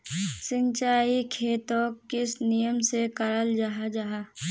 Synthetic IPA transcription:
sɪ̃ɲt͡ʃaːikʰeːt̪oːkɪsnijəmsekəɾəld͡ʒaɦad͡ʒaɦaː

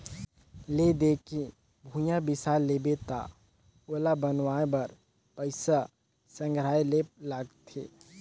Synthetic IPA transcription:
led̪eːkĩ | bʱũjãbɪsalebet̪a̰ | olabənʋãːbɐɾ | pəɪsa | sə̃ŋɡɾaːelelaɡt̪ʰḛː

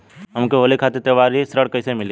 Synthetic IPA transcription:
ɦəmkoɦoːlekʰaːt̪eɾt̪əʋaːɾisɾəɽkəɪsemɪli

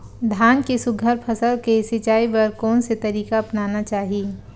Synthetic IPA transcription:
d̪ʱaːnkisʊɡʱəɾpʰɐsəlkesɪt͡ʃaːipɐɾkɔːnset̪ɐɾiːkaɐpnaːnat͡ʃaːɦiː

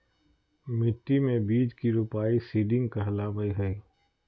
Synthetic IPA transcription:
mɪʈːimẽbiːd͡ʒkiɾupaːisiːɖɪ̃ŋɡkɐɦlabɐiɦɐi

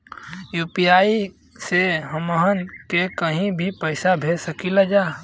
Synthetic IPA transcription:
juːpijaːi | seɦəməɦənkekəɦĩbʱipəːsabʱeːsəkilad͡ʒaː

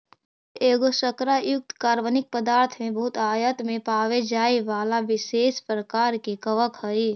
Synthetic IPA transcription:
eːɡosəkɾajʊk̚t̪kaːɾʋənɪk̚pəd̪aːɾt̪ʰmẽbʊɦʊt̪aːjət̪ʰmẽpaːʋed͡ʒaːiʋaːlaʋɪseːspɾəkaːɾkekəʋəkɦəi

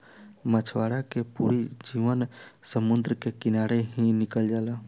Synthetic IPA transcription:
mət͡ʃʰʋaɾakepṵɾid͡ʒiʋənsəmʊnd̪ɾəkekɪnaɾeɦĩnɪkəld͡ʒaːla

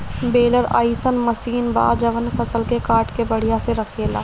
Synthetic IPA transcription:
beːləɾa̰ːisənmɐsiːnba̰ːd͡ʒɐʋənfɐsəlkekaːɾʈkebɐɽ̤ijãseɾɐkʰeːla̰ː

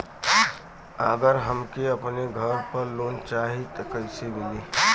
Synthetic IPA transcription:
a̰ɡəɾɦəmkeəpneɡʱəɾpəɾloːnt͡ʃaːɦit̪kəɪsemɪliː

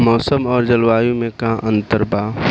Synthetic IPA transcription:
mɔːsəmɔːɾd͡ʒəlwaːjũmẽkãʔə̃nt̪əɾbaː

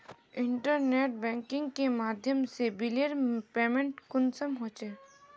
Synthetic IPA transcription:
ɪ̃ɳʈəɾneːʈ̚bɛ̃ːŋkɪ̃ŋɡkemaːd̪ʱjəmsebɪliəɾpeːmẽɳʈkʊnsəmɦoːt͡ʃeː

